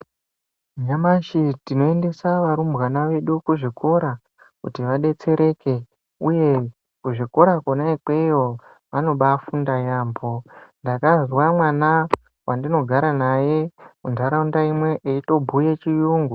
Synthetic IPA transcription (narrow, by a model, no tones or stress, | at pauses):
ɲamaʃitino̞e̞nde̞saʋaɾumbɣanaʋe̞ɗukuʐikʰo̞ɾa | kṵtiʋaɗe̞t͡se̞ɾe̞ke̞ | uje̞ | kuʐiko̞ɾakonaikwejo̞ | ʋano̞ɓafundajaːmbondakazwamwana | wandino̞ɡʱaɾanaje̞kundʱaɾaundaimwe̞ʔeito̞bʱujet͡ʃijuːŋɡu